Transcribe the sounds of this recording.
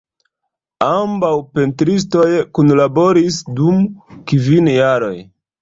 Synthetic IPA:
ambawpe̞ntɾis̬to̞jkunlabo̞ɾisdumkivinjaɾo̞̰j

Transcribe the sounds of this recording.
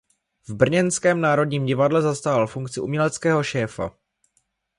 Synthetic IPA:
vbr̩ɲɛnskɛːmnaːɾo̞dɲiːmɟɪvadlɛzast̪aːɦalfuŋkt͡sɪumɲɛlɛt͡skɛːɦo̞ʃɛːfa̰

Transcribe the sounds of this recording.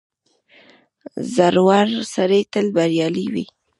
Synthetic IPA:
zaɾwaɾsaɾet̪əlbaɾjɑliwḭ

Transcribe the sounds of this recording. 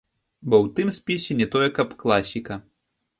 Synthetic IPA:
bɔwt̪ɨmsʲpʲisʲɛnʲɛt̪ɔjɛkɐpklˠasʲikɐ

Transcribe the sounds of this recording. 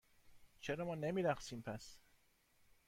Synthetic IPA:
t͡ʃʰeɾɒːmɒːnemiːɾæχsiːmpʰæs

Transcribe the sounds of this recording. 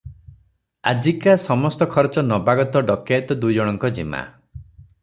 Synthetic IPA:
ad͡ʒikasɔmɔst̪ɔkʰɔɾt͡ʃɔnɔbaɡɔt̪ɔɖɔket̪ɔd̪ujd͡ʒɔɽ̃ɔŋkɔd͡ʒḭma̰

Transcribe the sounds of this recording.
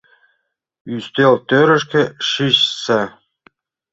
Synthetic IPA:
yst̪elt̪øɾɘ̆ʃ̬kʲĕʃiɕsæ

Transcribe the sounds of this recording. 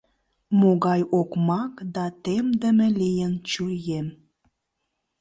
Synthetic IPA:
moɣɑjokmɑkd̪ɑt̪emd̪ə̆mə̆lijənt͡ɕujem

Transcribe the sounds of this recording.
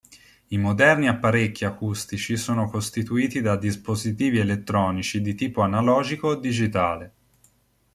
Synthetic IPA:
imod̪ɛrniapːaɾekːiakust̪it͡ʃisoːnokost̪it̪uiːt̪id̪ad̪ispozit̪iːvielet̪ːɾɔːnit͡ʃid̪it̪iːpoanalɔːd͡ʒikoed̪ːid͡ʒit̪aːle

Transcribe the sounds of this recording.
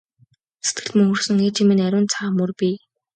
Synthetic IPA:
set̪̚ɡɘ̥̆t̪mɵŋɵ̆rsɵ̆ŋeːt͡ɕimĕnæɾʲʊːnt͡sʰaːmɵrpʲi

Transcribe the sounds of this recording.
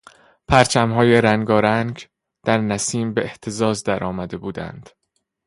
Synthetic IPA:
pʰæɾt͡ʃʰæmɦɒːje̞ɾæŋɡɒːɾæŋɡ | d̪̥æɾnæsiːmbeeht̪ʰezɒːzd̪æɾʔɒːmæd̪e̞buːd̪æ̰nd̪̥

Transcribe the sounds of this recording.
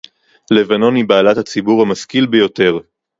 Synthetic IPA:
le̞vano̞nibaːlat̪hat͡sibuʁhamaskilbejo̞t̪e̞ʁ

